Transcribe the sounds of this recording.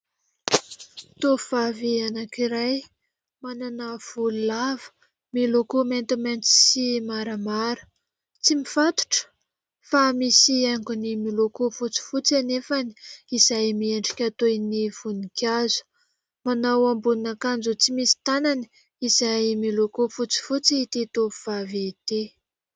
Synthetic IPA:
t̪ov̥avianakiɾaj | mananav̥ululavə̥ | milokoment̪iment͡s̪i̥simaɾamaɾə̥ | t͡simifat̪u̥ʈ͡ʂə̥ | famisiaŋɡunimilokofut͡si̥fut͡sanefani̥izajmieɳɖ͡ʐikʲat̪ojniv̥unikʲazu̥ | manawambuninakand͡zut͡simisi̥t̪anani̥ | iz̥ajmilokofut͡si̥fut͡siit̪et̪ovuv̥avet̪e

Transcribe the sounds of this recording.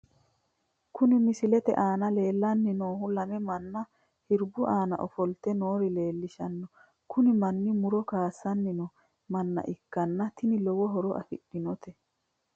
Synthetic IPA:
kʊnɪmɪsɪlɛt̪ɛ̰ʔaːnɐle̞ːlːɐnːɪnoːhʊlɐmɛmɐnːɐ | hɪɾbʊʔaːnɐ̰ʔɔfɔlt̪ɛnoːɾɪle̞ːlːɪʃɐnːɔ | kʊnɪmɐnːɪmʊɾɔkaːsːɐnːɪnɔ | mɐnːɐ̰ʔɪkːɐnːɐt̪ɪnɪlɔwɔɦɔɾɔʔɐ̰fɪ̰ɗːɪnɔt̪ɛ

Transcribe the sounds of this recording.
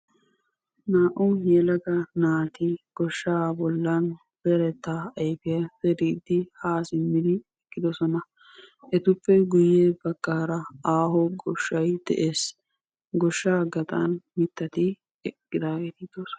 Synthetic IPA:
naːʔʊjɛlɐɡɐnaːt̪ɪɡ̥ɔʃːaːbɔlːɐn | b̥ɛɾɛt̪ːaɐjfɪjɐsɛɾiːd̪ːɪhaːsɪmːɪd̪ɪɛkʼːɪd̪ɔsɔnɐ | ʔɛt̪ʊpːɛɡʊjːebɐkːaːɾɐaːɦɔɡɔʃːɐjd̪̥ɛ̰ʔeːs | ɡɔʃːaːɡɐt̪ʼɐ̰nmɪt̪ːɐt̪ɪ | ɛkʼːɪd̪aːɡet̪ɪd̪ɔsɔ̥

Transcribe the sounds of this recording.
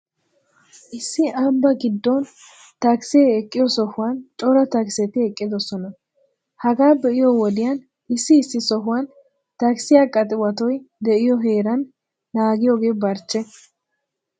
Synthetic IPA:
ʔɪsːɪʔɐmbɐɡɪd̪ːɔn | t̪ɐkseɛkʼːɪjɔsɔhʊwant͡ʃʼɔɾɐt̪ɐksɛt̪ɪɛkʼːɪd̪ɔsɔnɐ | hɐɡaːbɛʔɪjɔwɔd̪ɪjan | ʔɪsːɪːsːɪsɔɦʊwan | t̪ɐksɪjaːkʼːɐt̪ʼɪwɐt̪ɔjd̪ɛʔɪjɔɦe̞ːɾɐnː | aːɡɪjoːɡe̞ːbɐɾt͡ʃːɛ

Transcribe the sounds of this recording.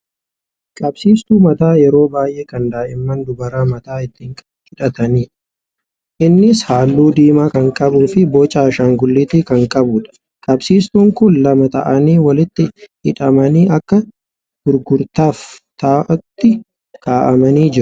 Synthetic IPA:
kʼɐbsiːst̪uːmɐt̪aːjɛɾo̞ːbaːjʔeːkɐnd̪aːʔɪmːɐnd̪ʊbɐɾaːmɐt̪aːɪt̪ːiːŋkʼɐd͡ʒɪᶑɐt̪ɐniːᶑɐ̥ | ʔɪnːɪshaːlːuːd̪iːmaːkɐŋkʼɐbuːfɪbɔːt͡ʃʼaːʃaːŋɡʊlːɪt̪iːkɐŋkʼɐbʊːᶑɐ̥ | kʼɐbsiːst̪uːŋkʊnlɐmɐt̪ɐ̰ʔɐniːwɐlɪt̪ːɪhɪᶑɐmɐniːʔɐkːɐ | ɡ̪̥ʊɾɡʊɾt̪aːft̪aːʔɐt̪ːɪ | kʰaːʔɐmɐniːd͡ʒɪɾʊ̥

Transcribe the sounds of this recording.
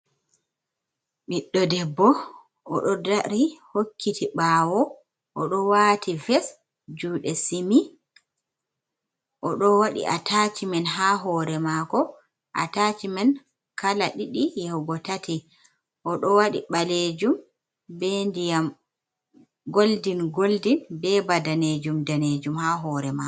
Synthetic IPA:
ɓiɗːɔdɛbːɔ | ʔɔ̰ɗɔdaɾihokːitʰiɓaːwɔ | ʔɔɗɔwaːtʰivɛs | d͡ʒuːɗɛsimi | ʔɔɗɔwaɗḭʔatʰat͡ʃimɛnɦaːɦɔːɾɛmakɔ | ʔa̰tat͡ʃimɛn | kʰalaɗiɗijɛhɡɔtati | ʔɔɗɔwaɗḭɓaled͡ʒum | bɛndijam | ɡoldinɡoldinbɛbadaned͡ʒumdaned͡ʒumhaɦɔɾɛma

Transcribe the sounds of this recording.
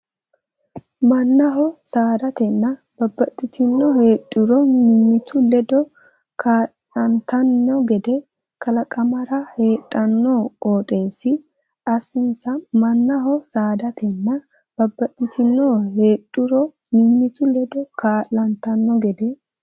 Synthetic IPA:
mɐnːɐɦɔsaːd̪ɐt̪ɛnːɐ | b̥ɐbːɐt̪ʼːɪt̪ɪnːɔhe̞ːᶑʼʊɾɔmɪmːɪt̪ʰʊlɛd̪ɔ | kʰaː | ɐnt̪ɐnːɔɡɛd̪ɛ | kʰɐlɐkʼɐmɐɾɐhe̞ːtʼːɐnːɔoːt̪ʼe̞ːsɪ | ʔɐsːɪnsɐmɐnːɐɦɔsaːd̪ɐt̪ʰɛnːɐ | b̥ɐbːɐt̪ʼːɪt̪ʰɪnːɔhe̞ːᶑʼʊɾɔ | mɪmːɪt̪ʊlɛd̪ɔkʰaːlːɐnt̪ɐnːɔɡɛd̪ɛ

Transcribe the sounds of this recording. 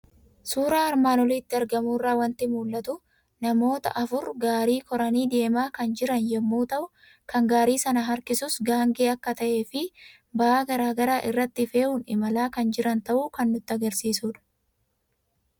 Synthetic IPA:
suːɾaːɐɾmaːnɔliːt̪ːɪɐɾɡɐmuːrːaːwɐnt̪ɪmuːlːɐt̪ʊ | nɐmo̞ːt̪ɐ̰ʔɐfʊɾɡaːɾiːkɔɾɐniːd̪e̞ːmaːkɐnd͡ʒɪɾɐnjɛmːuːt̪ɐʔʊ | kɐŋɡaːɾiːsɐnɐɦɐɾkɪsʊsɡaːŋɡeːɐkːɐt̪ɐʔe̞ːfɪ | bɐʔaːɡɐɾaːɡɐɾaːʔɪrːɐt̪ːɪfe̞ːʔuːnɪ̰mɐlaːkɐnd͡ʒɪɾɐnt̪ɐʔuːkɐnːʊt̪ːɪɐɡɐɾsiːsuːᶑɐ̥

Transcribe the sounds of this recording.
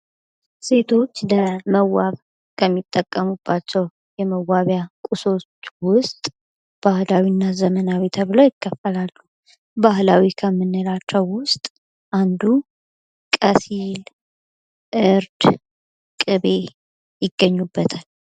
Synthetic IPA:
se̞t̪ʰo̞t͡ʃːləməwaβ | kʰəmːit̪ʼːəkʼːəmub̥ːat͡ʃːɛw | jɛməwaβjakʼuso̞t͡ʃːwʊst̪ʼ | b̥ahlawinːazəmənawit̪ʰəβɨləwjɪkʰːəfːəlalːu | bahlawikʰəmːɨnːɨlat͡ʃːɛwːʊst̪ʼ | ʔand̪u | kʼəsil | ʔɨɾd̪ | kʼɨβe̞ | jɪɡːəɲːubːət̪ʰal

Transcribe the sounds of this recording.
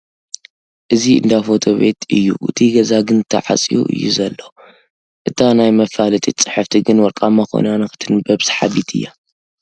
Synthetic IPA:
ʔɨziɨ̰nd̪afo̞t̪ʰo̞βe̞̰t̪ʰɨjːṵʔɨ̰t̪ʰiɡɐzaɡɨnt̪ʰɐ̰ʕa̰t͡sʼijṵʔɨ̰jːṵzɐlːo | ʔɨt̪ʰanajmɐfalɨt̪ʼit͡sʼːɨħɨft̪ʰiɡɨnwɔlkʼamːako̰njanɐxɨ̥t̪ʰɨnbɐβsħaβit̪ʰɨ̰jːa̰

